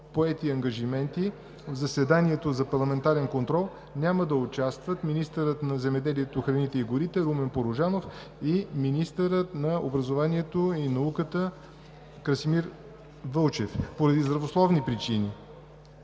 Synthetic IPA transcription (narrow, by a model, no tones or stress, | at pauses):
poɛt̪iɐŋɡɐʒimɛnt̪i | vzɐsɛd̪aniɛt̪ozɐpɐɾlˠɐmɛnt̪aɾɛnkont̪ɾɔlˠ | nʲaməd̪ɐot͡ʃast̪vət̪minist̪əɾət̪nɐzɛmɛd̪ɛliɛt̪oxɾɐnit̪ɛiɡʊɾit̪ɛɾumɛnpoɾoʒanof | iminist̪əɾət̪nɐo̰bɾəzovanʲiɛt̪oinɐukət̪ə | kɾɐsimiɾ | vɤlˠt͡ʃɛfpoɾɐd̪izd̪ɾɐvoslˠɔvnipɾit͡ʃini